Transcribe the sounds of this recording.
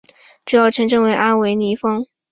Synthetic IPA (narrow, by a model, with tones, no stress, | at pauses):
ʈ͡ʂ̩˧˥jɑ˥˩ʊʈ͡ʂʰɤ˧˥ŋʈ͡ʂɤ˥˧ŋwe˧˥ɪʔa˥nwe˧˥ɪni˧˥fɤ˥ŋ